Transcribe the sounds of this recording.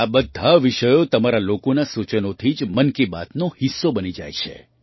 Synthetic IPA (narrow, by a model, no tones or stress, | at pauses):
abəd̪ʱaʋiʃəjot̪əmaɾalokonasut͡ʃənot̪ʰid͡ʒmənkiba̰t̪nohisːobənid͡ʒa̰jt͡ʃʰḛ